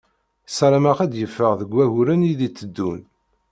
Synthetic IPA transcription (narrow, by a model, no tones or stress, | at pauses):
sæɾæmæqæd̪jəfːəʁðəɡʷːæɣʊɾəniðit͡sːəd̪ːun